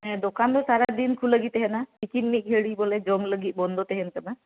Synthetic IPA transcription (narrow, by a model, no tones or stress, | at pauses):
ɛ̃d̪okand̪ɔsaɾad̪inkʰuləɡit̪ɛɦɛnapikinmik̚ɦeɽibɔlɛd͡ʒɔŋləɡit̪̚ˀbɔnd̪ʱot̪ɛɦɛnkəna